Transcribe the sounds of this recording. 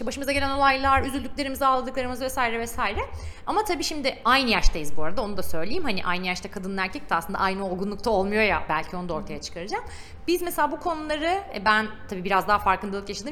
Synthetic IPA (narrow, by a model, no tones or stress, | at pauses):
baʃɯmɯzaɡɟe̞lʲæno̞lˠajlˠaɾyzylʲd̪yc̚ʲlʲe̞ɾimizaːlˠad̪ɯklˠaɾɯmɯzvɛsaːjiɾɛvɛsaːjiɾɛamat̪ʰabiːʃimd̪ɪajnɯjaʃt̪ʰajizbuaɾad̪aonud̪asø̞jlʲejimhɦaniʔajnɯjaʃt̪akʰad̪ɯnːæɾcʰɛc̚t̪ʰasɯnd̪a̰ʔajnɯo̞lˠɡunlˠuk̚t̪ʰao̞lˠmujo̞jabælʲcʰio̞nud̪ao̞ɾt̪ʰajat͡ʃʰɯ̥kʰaɾɯd͡ʒam | bizmese̞lʲaːbukʰo̞nulˠaɾɯɛ̰bænt̪ʰabiːbiɾazd̪aɦafaɾkʰɯnd̪aølˠkjaʃad̪ɯm